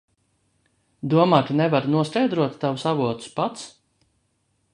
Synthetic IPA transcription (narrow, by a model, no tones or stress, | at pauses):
d̪uɔmaːkanɛvaɾnuɔstɛjd̪ɾuɔt̪ːavusavuɔt̪u̥spat̪s